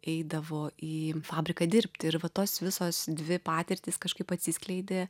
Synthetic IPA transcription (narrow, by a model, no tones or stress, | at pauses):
ɛɪd̪ɐʋoːʔiːfɑːbʲɾʲɪkɐːd̪ʲɪɾʲpʲt̪ʲɪɾʋɐt̪oːsʋʲɪsoːsd̪ʲʋʲɪpɑːt̪ʲɛɾʲt̪ʲiːskɐʃkɐɪpɐt̪ʲsʲiːsʲklʲɛɪd̪ʲeː